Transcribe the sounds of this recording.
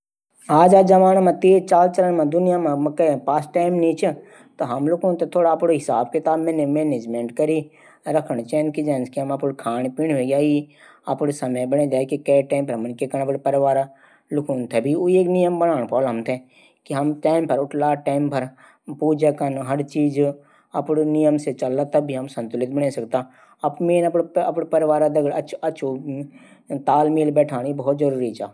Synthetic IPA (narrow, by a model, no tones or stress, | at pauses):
aːd͡ʒaːd͡ʒɐʋaːñmãt̪eːt͡ʃaːlt͡ʃəɾənmãd̪ʊnɪjamãmɐkɐpaːsʈʈaːɪmnĩt͡ʃʰ | t̪oɦɐmlʊkʰũːnt̪ʰet̪ʰoːɽaːpɽoɦɪsaːbkɪt̪aːbmɛ̃ːnemeːned͡ʒmẽːɳʈkəɾi | ɾɐkʰəɳ̃t͡ʃɛ̃ːnkid͡ʒaːnskiɦɐmapuɽkʰaːñpiɳɦeɡaːi | apɽesɐməjbɐɽẽd͡ʒaːkikɛːʈaːmpɐɾmɐnkekɐñapɽipəɾɪʋaːɾ | lʊkʰuːnt̪ʰɛbʱioieːknɪjəmbənaːñpɔːlɦəmt̪ʰɛ | kiɦəmʈaːmpəɾʊʈʰlaʈaːɪmpəɾ | puːd͡ʒakənɦəɽt͡ʃiːd͡ʒ | ɐpɽnijəmset͡ʃəlːat̪ɐbːiɦɐmsə̃nt̪ʊlɪt̪bəɽesɐkt̪aː | ɐpmẽːnəpɽɐpɽpəɾɪʋaːɾad̪ɐɡəɽɐt͡ʃʰɐt͡ʃʰu | t̪aːlmiːlbɛːʈʰaːnibɔːt̪zəɾuːɾit͡ʃaː